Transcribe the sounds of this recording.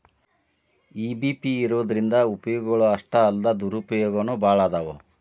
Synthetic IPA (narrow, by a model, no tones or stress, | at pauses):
iːbipiːɾoːd̪ɐɾind̪ɐupɐjɔːɡɐɡɐɭuɐʂʈɐːld̪ɐd̪uɾupɐjɔːɡɐnubaːɭaːd̪aʋo̰